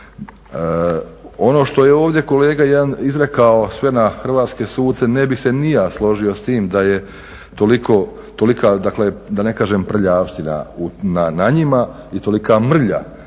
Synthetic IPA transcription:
o̞no̞ːʃt̪o̞jeo̞ːʋd̪je̞ko̞leːɡajed̪anizɾe̞kao̞sʋe̞naxr̩ʋaːt̪skesuːd̪t̪senebixsenijaːslˠo̞ʒio̞st̪iːmd̪aje | t̪oliko | t̪o̞likad̪akled̪ane̞kaːʒempr̩ʎaːʃt̪ina̰unanaɲima | it̪o̞likamr̩ʎa̰

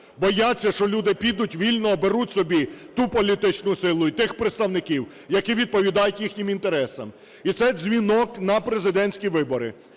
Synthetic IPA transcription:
bɔjat͡sʲːɐʃt͡ʃɔlʲud̪ɪpʲid̪ʊtʲʋʲilʲnɔːbeɾutʲsɔbʲit̪upɔlʲit̪ɪt͡ʃnʊsɪlˠʊit̪ɪxpɾet̪st̪ɐwnɪkʲiw | jɐkiʋʲid̪̚pɔʋʲid̪ɑjʊtʲjixnʲɪmint̪e̞ɾɛsɐm | it̪sɛzʲʋʲinɔknɐpɾezɪd̪ɛnʲsʲkʲiʋɪbɔɾɪ̰

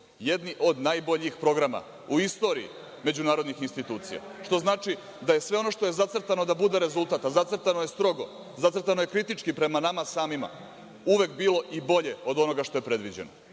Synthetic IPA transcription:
jed̪niʔo̞d̪naːjbo̞ʎixpɾo̞ɡɾama̰ | uist̪o̞ːɾiḭ | me̞d͡ʑunaːɾo̞d̪nixinst̪it̪uːt̪sḭja̰ʃt̪o̞znaːt͡ʃi | d̪aje̞sʋe̞o̞no̞ʂt̪o̞je̞zat̪srt̪ano̞d̪abud̪e̞ɾe̞zult̪aːt̪azat̪srɾt̪anoje̞st̪ɾo̞ɡo̞ | zat̪sr̩t̪anoje̞kɾit̪it͡ʂkipɾe̞manamasaːmima̰ | uʋe̞kbiːlo̞ʔibo̞ʎe̞o̞d̪o̞no̞ɡaʃt̪o̞jepɾe̞d̪ʋid͡ʑeno

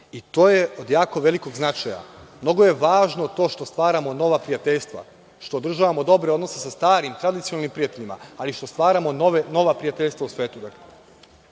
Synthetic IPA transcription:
it̪o̞ːjeod̪jaːko̞ʋe̞liko̞ɡznat͡ʃaja̰mno̞ɡoje̞ʋaːʒnot̪o̞ːʃt̪o̞st̪ʋaːɾamo̞no̞ʋapɾijat̪eʎst̪ʋa̰ | ʃt̪o̞ːd̪ɾr̩ʒaʋamo̞d̪o̞bɾeo̞d̪no̞sesast̪aːɾimt̪ɾad̪it̪sionalnimpɾijat̪eʎima̰aliʃt̪o̞st̪ʋaːɾamo̞noʋeno̞ʋapɾijat̪e̞ʎʲst̪ʋausʋe̞ːt̪ud̪ake

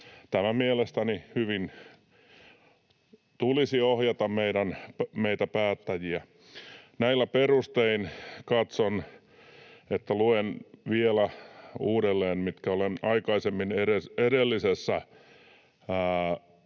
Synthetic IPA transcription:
t̪æmæmielest̪ænihyʋin | t̪ulisiohjɑt̪ɑmmeiɾænpmeit̪æpæːt̪ːæjiæ | næilːæperust̪einkɑt̪son | et̪ːæluenʋielæuːɾelːeːnmit̪kæolenɑikɑisemːineɾeseɾelːisesːæ

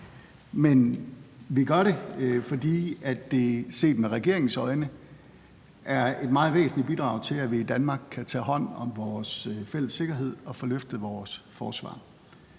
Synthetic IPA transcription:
menʋiɡ̥ɶɐɾe̝fɒ̽d̥ḭːæd̥ːe̝se̝̰ːd̥meʁɛɡ̥e̝ɐ̰e̝ŋ̩sɒ̽ɪnə | ʔæɐe̝d̥̚mɑ̈ːð̩ˠʋḛːsn̩lib̥id̥ʁɑ̈ʊ̰t͡sʰe̝læʋiːd̥ænmɑ̈ːɡ̥̚kʰːæt͡sʰɛ̰ːɦɒ̽n̰ɒ̽mʋɒːsfel̰əsːe̝ɡ̥ɐɦe̝ð̰ˠɒ̽fɒ̽løfd̥ð̩ˠʋɒːsfɒːsʋɑ̰̈ː

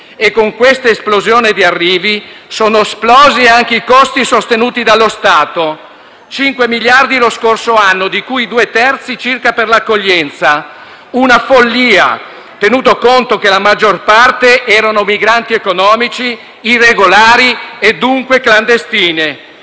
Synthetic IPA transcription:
ekːoŋkwest̪aesplozjoːned̪iarːiːvisoːnoesplɔːziaŋk̟eikɔst̪isost̪enuːt̪id̪alːost̪aːt̪o | t͡ʃiŋkwemiljard̪iloskorsoanːod̪ikujid̪uːet̪ɛrt̪sit͡ʃirkaperlakːoʎːɛnt̪sa | unafolːiːa̰ | t̪enuːt̪okont̪ok̟elamad͡ʒːorpart̪eʔɛːɾanomiɡɾant̪iekonɔːmit͡ʃiː | rːeɡolaːɾied̪ːuŋkwekland̪est̪iːne

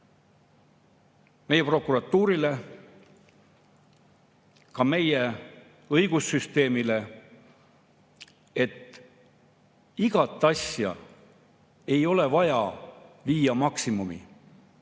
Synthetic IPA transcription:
me̞jepro̞kːuɾɑt̪ːˑuːɾile̞ | kɑme̞je̞ | ɤjɡ̥usːyst̪e̞ːmile̞ | e̞t̪ː | iɡ̥ɑt̪ˑːɑsjɑ̰ | e̞jo̞le̞vɑjɑviːjɑmɑksimumḭ

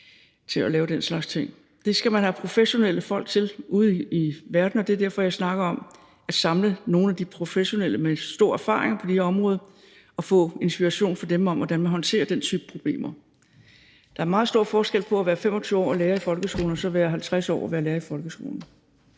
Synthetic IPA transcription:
t͡sʰe̝lælɛːʊd̥en̰slɑ̈ɡ̥st͡sʰe̝ŋ̰ | d̥e̝sɡ̥æmænɦæpʰʁo̝feɕo̝nel̰əfɒ̽l̰ɡ̥̚t͡sʰe̝luð̩ˠiʋæɐd̥n̩ɒd̥eɐd̥æɐfɒ̽jɑ̈ɪsnɑ̈ɡ̥ɐɒ̽m | æd̥sɑ̈mləno̝ːn̩æd̥ipʰʁo̝feɕo̝nel̰əmesd̥o̝ɐ̰æɐfɑ̰̈ːʁeŋɐpʰɒ̽d̥eheɒ̽mʁɔ̽ːðˠɐ | ɒ̽fɔ̰̽ːe̝nsb̥iʁɑ̈ɕo̝̰ːnfɒ̽d̥emɒ̽m̰ʋɒd̥ænmænɦɒ̽nt͡sʰe̝̰ːɐd̥ent͡sʰy̰ːb̥ə̥pʰʁo̝b̥lḛːmɐ | d̥ɑ̈æɐmɑ̈ːð̩ˠsd̥o̝ɐ̰fɒːsɡ̥el̰pʰɒ̽æʋæːɐfem̰ɒ̽t͡sʰyːʊɒ̰ːæleːɐifɒ̽lɡ̥əsɡ̥̝ːln̩ɒsɒ̽ʋæːɐɦælt͡sʰʁasɒ̰ːɒʋæːɐleːɐifɒ̽lɡ̥əsɡ̥o̰ːln̩

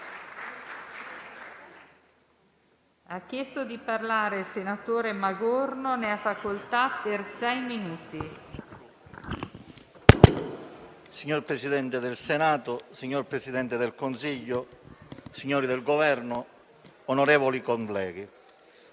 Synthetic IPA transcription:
akːjɛst̪od̪iparlaːɾeilsenat̪oːɾemaɡornoneafːakolt̪apːersɛjminuːt̪i | siɲːorpɾesid̪ɛnt̪ed̪elsenaːt̪ʊsiɲːorpɾesid̪ɛnt̪ed̪elkonsiʎːʊ | siɲːoːɾid̪elɡovɛrnʊː | noɾɛːvolikonplɛːɡi

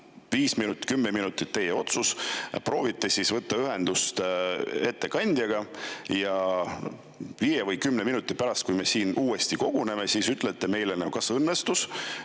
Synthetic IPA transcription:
viːsminut̪ːˑi̥kymːeminut̪ːˑit̪ːe̞jːeo̞t̪suspro̞ːvit̪ˑːe̞sisvɤt̪ːɑyɦe̞nd̪ust̪e̞t̪ːe̞kɑnʲd̪̥jɑɡ̥ɑjɑ | vijevɤjkymːneminut̪ːˑipæɾɑst̪̚kujme̞siːnʔuːe̞st̪iko̞ɡ̥une̞me̞siːsyt̪ːˑlet̪ːˑe̞me̞jlenekɑsɤnːe̞st̪us

